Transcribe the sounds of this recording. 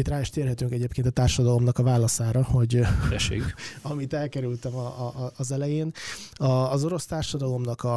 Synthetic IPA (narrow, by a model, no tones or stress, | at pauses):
it̪raːiʃt̪eːrɦɛt̪yŋkɛɟeːpkeːnt̪ɒt̪aːrʃɒd̪ɒlo̞mnɒkɒvaːlɒsaːɾɒho̞ɟɛʃḛkɒmit̪ɛlkɛɾylt̪ɛmɒːzɛlɛjeːnɒːzoɾo̞st̪aːrʃɒd̪ɒlo̞mnɒkɒ